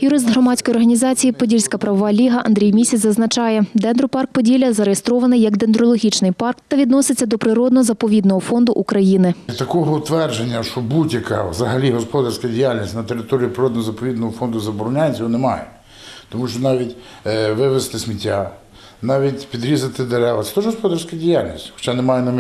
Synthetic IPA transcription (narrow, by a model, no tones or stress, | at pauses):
jʊɾɪst̪ɦɾɔmɑt͡sʲkɔjɔrɦɐnʲizɑt͡sʲijipɔdʲilʲsʲkɐpɾɐʋɔʋɑlʲiɦɐʔɐnd̪ʲɾʲijmʲisʲizɐznɐt͡ʃɑjɛd̪ɛnd̪ɾʊpɑrk̚pɔdʲilʲɐzɐɾejest̪ɾɔʋɐnɪjːɐɡd̪end̪ɾɔlˠɔɦʲit͡ʃnɪjpɑrkt̪ɐʋʲid̪nɔsɪt͡sʲːɐd̪ɔpɾɪɾɔd̪nɔɔzɐpɔʋʲid̪nɔɦɔfɔnd̪ʊʔukɾɐjinɪt̪ɐkɔɦɔt̪ʋɛrd͡ʒenʲːɐʃɔbudʲjɐka̰ʋzɐɦɐlʲiɦɔspɔd̪ɐrsʲkɐdʲijalʲnʲisʲnɐt̪eɾɪt̪ɔɾʲiipɾɪɾɔd̪nɦɔzɐpɔʋʲid̪nɔɦɔfɔnd̪ʊzɐbɔɾɔnʲajʲsʲɔɔnemɑjɛ | t̪ɔmuʃt͡ʃɔnɑʋʲitʲ | ʋɪʋest̪ɪsmʲitʲːa | nɑʋʲitʲpʲid̪ɾʲizɐt̪ɪd̪eɾɛʋɐt̪ɛ̥t̪ɔʒɦɔspɔd̪ɐrsʲkɐdʲijalʲnʲḭsʲtʲxɔ̥t͡ʃanemɑjɛnɐmʲ